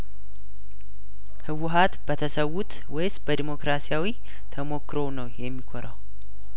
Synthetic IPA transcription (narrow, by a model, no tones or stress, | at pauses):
hɨwʊɦat̪bət̪ʰəsəwːut̪ | wɔjsbəd̪imo̞kɾasijawi | t̪ʰəmo̞kːɾo̞nəwjɛmːikʰoɾaw